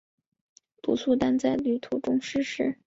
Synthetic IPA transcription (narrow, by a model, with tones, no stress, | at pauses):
t̪ṵ˨˩su˥˧t̪a˥nt͡sa˥˧ɪly˥˩t̪ʰu˧˥ʈ͡ʂʊ˥ŋʂɻ̩˥ʂɻ̩˥˩